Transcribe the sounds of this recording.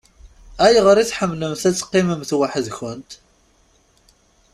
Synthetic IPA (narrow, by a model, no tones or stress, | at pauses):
æjʁəɾiθħəmːləmθæt͡sːqːiməmθwaħəðçʊnt̪